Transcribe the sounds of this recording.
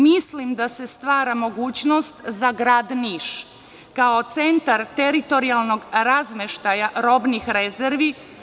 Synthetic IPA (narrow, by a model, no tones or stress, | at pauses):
mislimd̪ase̞st̪ʋaːɾamo̞ɡuːt͡ɕno̞st̪zaɡɾaːd̪niʃ | kao̞t̪se̞nt̪aɾt̪eɾit̪o̞ɾialˠno̞ɡɾazmeʃt̪ajaɾo̞bnixɾezeɾʋi